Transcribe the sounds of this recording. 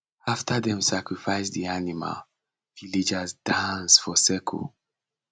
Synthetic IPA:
aftʰaðɛ̃msakɹifaɪsdðianima̰l | vilid͡ʒazdãnsfɔsɛkʰɔ̰

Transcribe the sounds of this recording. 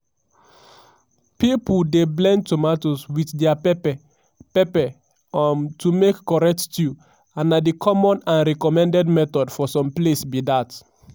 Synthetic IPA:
pipuldeblɛ̃nd̚tomatoswitdɛapɛpɛ | pɛpɛ | antumekːɔɹɛk̚ttju | ãnːadikʰɔmɔ̃nãnɹɛkɔmɛ̃ndɛdmɛtɔdfɔsɔ̃mplesbidat

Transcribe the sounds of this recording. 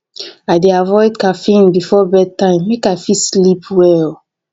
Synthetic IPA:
aɪdeavɔɪd̚kafĩnbifɔbɛd̚tãɪ̃mːekaɪfislipʰwɛl

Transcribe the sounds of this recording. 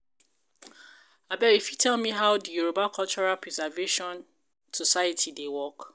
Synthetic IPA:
abɛifjitʰɛlmĩɦawdijuɹobakʰɔlt͡ʃɔɹapʰɹɛzɛveʃɔ̃n | sɔsajatʰidewɔk

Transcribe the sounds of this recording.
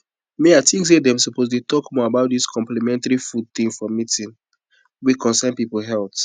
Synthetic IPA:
meaɪtĩŋksedɛ̃msɔposdetɔkmɔabaʊt̚diskʰɔ̃mplimɛ̃ntaɹifud̚t̪ĩmfɔmitĩn | wikʰɔ̃nsãnpipolɦɛlp

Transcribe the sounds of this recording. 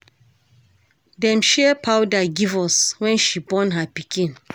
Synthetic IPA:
dɛ̃mʃɛpʰawdaɡivɔswɛ̃nʃibɔ̃nɦapikʰĩn

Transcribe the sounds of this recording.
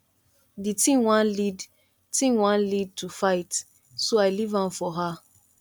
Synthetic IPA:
ditĩŋwãnlid | tĩŋwãnlid̚tʰufaɪt | soaɪlivãnfɔɦa

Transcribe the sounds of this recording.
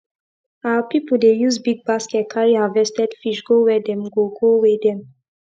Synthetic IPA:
apipud̪ɛjuzbiɡ̚baskɛkʰajavɛst̪ɛt̪fiʃɡowɛdɛmɡoɡowɛdɛm

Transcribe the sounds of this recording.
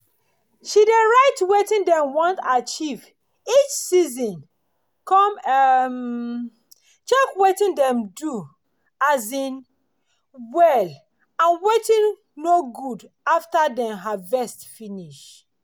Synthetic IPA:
ʃideɹaɪtwetĩndɛ̃mwɔ̃ntat͡ʃiv | it͡ʃsizɔ̃n | kɔ̃mm | t͡ʃɛkwetĩndɛ̃mdu | azĩn | wɛl | ãnwetĩnː | oɡud | aftadɛ̃nɦavɛstfiniʃ

